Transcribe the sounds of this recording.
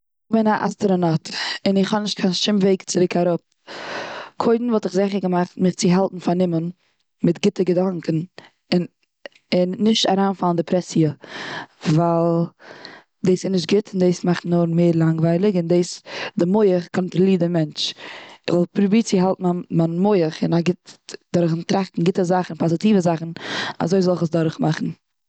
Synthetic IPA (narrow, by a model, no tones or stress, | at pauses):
ɪχbɪnaʔa̰stəɾənɔtɪnɪχhɔnɪʃt̚kʰaɪnʃɪmveɪkt͡sɪɾɪkʰaɾʊp̚ | kʰoɪdn̩vɔlˠtɪχzɛχəɾɡəmaχtmɪχt͡sɪɦalˠtn̩fanɪmən | mɪtɡɪtəɡədaŋkn̩ | ɪn | ɪnːɪʃtaɾaːnfalˠndɪpʰɾɛsiə | valˠ | deːsɪnɪʃtɡɪtɪndeːsmaχtnnːɔɾmeːɾlˠaŋɡvaɪlˠɪɡɪndeːsdɪmoɪəχkʰɔntɾɔlˠiːdɪmɛnt͡ʃɪzɔlˠpɾubiːt͡sɪɦalˠtn̩amanmoɪəχɪnaɡɪtd̥ɔɾχntɾaχtn̩ɡɪtəzaχn̩pʰɔzɪtiːvəzaχn̩a̰zoɪzɔlˠɪχəsdɔɾχmaχn̩